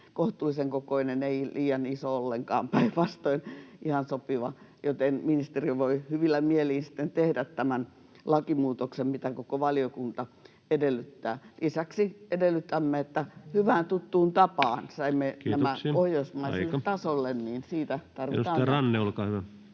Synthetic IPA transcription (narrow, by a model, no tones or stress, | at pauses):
koht̪uːlːiseŋkokoineneiliːjɑnisoolːeŋkɑ̰ːmpæiʋɑst̪oinʔihɑnsopiʋɑ | jot̪enminist̪eriʋoihyʋilːæmieliːnsi̥t̪ːent̪ehdæt̪tæmæn | lɑkimuːt̪oksemmit̪ækokoʋɑliokunt̪ɑ | edelːˑyt̪ːæːlisæksiedelːˑyt̪ːæmːeet̪ːæhyʋæːnt̪ut̪ːuːnt̪ɑpɑːnsɑimːeknːæmæohjosmɑisilet̪ɑsolːenniːnsiːt̪æt̪ɑrʋit̪ɑːnrɑnːeolkɑːhyʋæ